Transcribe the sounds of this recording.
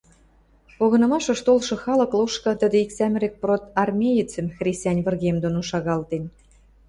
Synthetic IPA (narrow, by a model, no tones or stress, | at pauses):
oɣɤ̆nɤ̆mɑʃɤ̆ʃt̪olʃɤ̆xɑlɤ̆kloʃkɤ̆t̪ə̆d̪ĕiksæmɾek̚prot̪ɑrmʲejət͡sə̆mxrʲisʲt̪ʲænʲβə̆rɣemd̪onoʃɑɣɑlt̪en